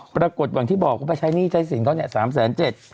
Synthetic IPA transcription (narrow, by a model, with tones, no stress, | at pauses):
pɾaː˧ko˨˩t̪̚wa˨˩˦ŋt̪ʰiː˥˩bɔː˨˩k̚wa˦˥˩pa˧˩t͡ɕʰa˦˥jniː˥˩t͡ɕʰa˦˥jsi˨˩˦nkʰa˥˩nɛ˧˩saː˩˦ms̬ɛː˩˦nt͡ɕe˨˩t̪̚